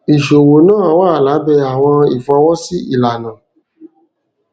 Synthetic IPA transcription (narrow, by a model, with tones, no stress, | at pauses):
i˨ʃo˨wo˨˦nãː˦˨˦waː˦˨la˨˦bɛ˦˧a˨w̃ɔ̃˧i˨fa˧˦wɔ˦si˦ḭ˦˨la˨nã˨